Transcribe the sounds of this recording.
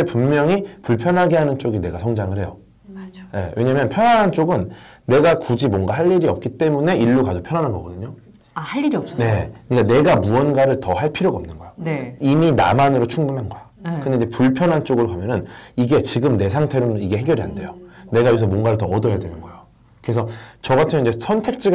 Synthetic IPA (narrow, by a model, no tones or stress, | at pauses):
epummjʌŋipuɭpʰjʌnɦaɡeɦanɯnt͡ɕ͈oɡine̞ɡasʰʌŋd͡ʑaŋɯɭɦe̞jo | je̞̰wʔe̞ɲamjʌnpʰjʌnɦanɦant͡ɕ͈oɡɯnː | e̞ɡakud͡ʑimwʌnɡaɦaʎːiɾiʌp̚k͈it͈e̞mune̞ʔiɭːuɡadopʰjʌnɦanɦanɡʌɡʌdɯɲo | ahaʎːiɾiʌp̚sʌnekɯɲik͈ane̞ɡamuʌnɡwaɾɯɭtʌhaɭpʰiɾjoɡʌmnɯnɡʌjonimina̰manɯɾot͡ɕʰuŋbunɦanɡʌja | kɯndeiɲd͡ʑepuɭpʰjʌnɦant͡ɕ͈oɡɯɾokamjʌnɯniɡe̞t͡ɕiɡɯmne̞s̬ʰaŋtʰe̞ɾonɯniɡe̞ɦeɡjʌɾia̰nde̞jone̞ɡaousʰʌmwʌnɡaɾɯɭtʌːdʌɦjadwe̞nɯnɡʌejo | kɯɾe̞sʰʌt͡ɕʌɡatʰɯmid͡ʑesʰʌntʰe̞k̚t͡ɕ͈i